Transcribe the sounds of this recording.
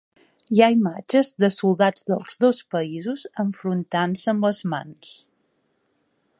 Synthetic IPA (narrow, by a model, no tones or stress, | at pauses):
iaimad͡ʒəzðəsulˠd̪ad͡zðəlˠz̥ðospəizuzəɱfɾunt̪ansəmbləzma̰ns